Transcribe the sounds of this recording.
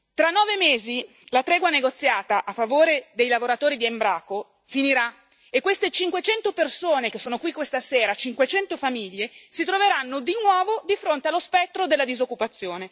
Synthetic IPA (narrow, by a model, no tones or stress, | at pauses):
t̪ɾanːɔːvemeːzi | lat̪ɾɛːɡwaneɡot̪sːjaːt̪aʔafːavoːɾed̪ejlavoɾat̪oːɾid̪iembɾaːko | finiɾa | ekːwest̪et͡ʃiŋkwet͡ʃɛnt̪opersoːnek̟esːoːnokwikwest̪aseːɾat͡ʃiŋkwet͡ʃɛnt̪ofamiʎːesit̪ɾoveɾanːod̪inwɔːvod̪ifɾont̪ealːospɛt̪ːɾod̪elːad̪izokːupat̪sːjoːne